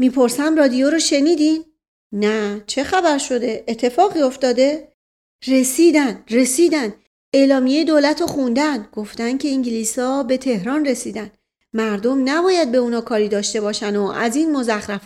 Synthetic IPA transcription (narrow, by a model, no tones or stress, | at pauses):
miːpʰo̞ɾsæmrɒːd̪ijoɾoʃe̞niːd̪in | næt͡ʃʰe̞xæbæɾʃo̞d̪e̞ːt̪ʰːe̞fɒːɣiːo̞ft̪ɒːd̪e̞ | re̞siːd̪ænd̪re̞siːd̪ænd̪ | e̞ːlɒːmijejed̪oːlæt̪ʰoxund̪ænɡ̥o̞ft̪æncʲʰe̞iŋɟiliːsɒːbe̞t̪ʰe̞hɾɒːnre̞siːd̪ænd̪ | mæɾd̪o̞mnæbɒːjæd̪̚be̞unɒːkʰɒːɾiːd̪ɒːʃt̪e̞bɒːʃænoʔæ̰ziːnmo̞zæxɾæf